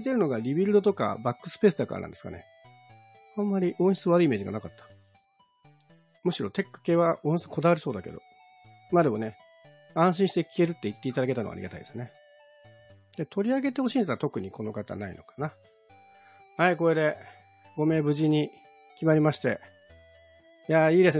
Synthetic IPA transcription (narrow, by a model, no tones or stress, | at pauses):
it̪e̞ɾɯ̟no̞ɡaɾʲibʲiɾɯ̟d̪o̞t̪o̞ka̰bakːɯ̟̥sɨ̥pe̞ːsɨd̪aka̰ɾanã̰nd̪esɨ̥ka̰ne̞̰ | ãmːaɾʲiʔõ̞ɰ̃ɕi̥t͡sɨβaɾɯiːme̞ːd͡ʑiɡa̰nakat̪ːḁ | mɯ̟ɕiɾo̞t̪e̞kːɯ̥ke̞ːβaʔõ̞ɕit͡sɨ̥kʰo̞d̪aβaɾʲiso̞ːd̪ake̞̰d̪o̞̰ | maːd̪e̞mo̞ne̞ | ãɰ̃ɕ̬ĩɕi̥t̪e̞kʲi̥e̞ɾɯ̟t̪ːe̞it̪ːe̞it̪ad̪ake̞t̪anoa̰ɾḭɡat̪a̰ḭd̪esɨne̞ | d̪̥e̞t̪o̞ɾʲiaɡe̞t̪e̞ho̞ɕiːnd̪saɾat̪o̞kɯ̟ɲ̟iko̞no̞kat̪a̰naḭno̞̰kḁna | haiko̞ɾed̪e̞ | ɡo̞me̞ːbɯ̟ʑiɲ̟i | kʲimaɾʲimaɕi̥t̪e̞̰ | jaiːd̪e̞s